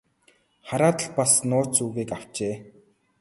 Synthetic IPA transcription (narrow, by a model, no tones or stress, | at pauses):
χaɾaːt̪ə̆ɮpasnʊːt͡suːɣiːkaw̥t͡ɕeː